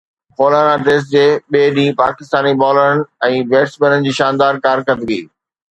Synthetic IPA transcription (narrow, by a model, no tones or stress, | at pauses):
poːlaːnaʈeːs̬d͡ʑeːɓeːɗĩːpa̰ːkɪst̪aːnibɔːlən̆ɛ̃ːʋeːʈsbənənɪ̆d͡ʑiːʃaːnd̪aːɾkaːɾkət̪ɡiː